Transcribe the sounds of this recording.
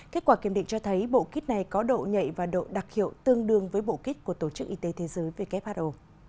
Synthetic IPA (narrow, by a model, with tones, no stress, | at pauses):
ke˦˥t̚kwaː˧˩ki˧˩mɗḭ˧˨ŋ̟t͡ɕɔ˧t̪ʰə˨˦jɓo̰˧˨ki˦˥t̚na˨˩jkɔ˨˦ɗo̰˧˨ɲə̰˧˨jvaː˨˩ɗo̰˧˨ɗa˨˩k̚hḭ˧˨əwt̪ɨ˧əŋɗɨ˧˩əŋvəː˨˦jɓo̰˧˨ki˦˥t̚ku˧˩ət̪o˧˩t͡ɕɨ˦˥k̚ʔi˧t̪e˨˦t̪ʰe˨˦zəː˨˦jve˨˩kɛ˦˥p̚haː˦˥ʔo˨˩